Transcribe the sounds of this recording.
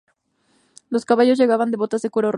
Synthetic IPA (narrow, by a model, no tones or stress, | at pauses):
lo̞skaβaʝo̞z̬ʝe̞ɣaβand̪e̞βo̞t̪azekuɾor